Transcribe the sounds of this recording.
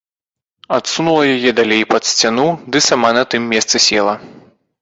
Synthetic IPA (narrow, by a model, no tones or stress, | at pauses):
at̪sunulˠɐjajɛd̪alʲejpɐt̪sʲt͡sʲanud̪ɨsamanɐt̪ɨmːʲɛst̪sɨsʲɛlˠɐ